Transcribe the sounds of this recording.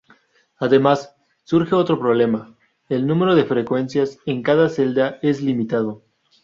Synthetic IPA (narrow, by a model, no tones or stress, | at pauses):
aðe̞masː | uɾxe̞o̞t̪ɾo̞pɾo̞β̞le̞ma | elnũme̞ɾo̞ðe̞fɾe̞kwe̞nsjaseŋkaðase̞ld̪ae̞zlimit̪að̞o̞